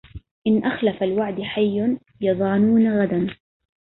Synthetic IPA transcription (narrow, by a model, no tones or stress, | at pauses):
ʔɪnʔaxlafalwaʕd̪ħajːʊn | jɑðˤɑːnuːnaɣad̪an